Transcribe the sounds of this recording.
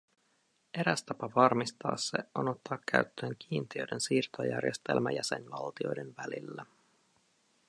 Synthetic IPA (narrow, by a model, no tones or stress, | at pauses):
ʔe̞ɾæst̪ɑpɑʋɑrmist̪ɑ̰ːsːe̞̰ʔonot̪ːɑːkːæɥt̪ːøːŋk̟iːnt̪iøːjde̞nsiːrt̪o̞jæ̰rjest̪elmæjæse̞̰nʋɑlt̪io̞̰jde̞nʋælilːæ